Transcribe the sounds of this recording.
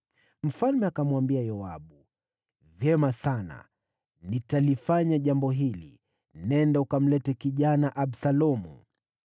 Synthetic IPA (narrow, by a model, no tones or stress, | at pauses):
m̩falmɛakamwambiajɔaɓu | vjɛmasana̰ | nitalifaɲaʄambɔɦilḭ | nɛndaukam̩lɛtɛkiʄanaʔaɓsalɔmṵ